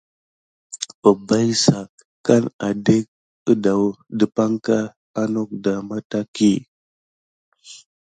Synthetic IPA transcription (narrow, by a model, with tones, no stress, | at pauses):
ə˨ba˦jsa˨ | ka˦na˨de˦k̚ | ə˦da˨wdə˨pa˦ŋka˦ | a˦no˦k̚da˨ma˦ta˦ki˦